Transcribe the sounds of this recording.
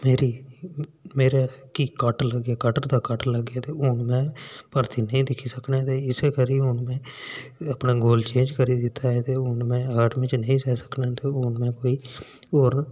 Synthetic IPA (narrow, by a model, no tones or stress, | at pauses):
meːɾiː | meːɾaːkiːkəʈləɡaːkəʈəɾd̪aːkəʈləɡaːt̪eːʊnmɛ̃ːpəɾt̪iːnəĩːd̪ɪkʰiːsəkneːt̪eːɪseːkəɾiːɦʊnmɛ̃ːəpnaːɡoːlt͡ʃẽːd͡ʒkəɾiːd̪ɪt̪ʰːaːɛːt̪eːʊnmɛ̃ːaːʈmit͡ʃnəĩːsɛːsə̥kneːt̪eːʊnmɛ̃ːkoːiː | oːɾ